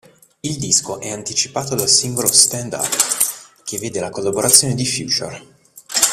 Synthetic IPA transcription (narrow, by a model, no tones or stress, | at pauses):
ild̪iskoʔɛant̪it͡ʃi̥paːt̪od̪alsiŋɡolost̪ɛnd̪a̰pkʰevːeːd̪elakolːaboɾat̪sːjoːned̪ifjṵːt͡ʃo̰r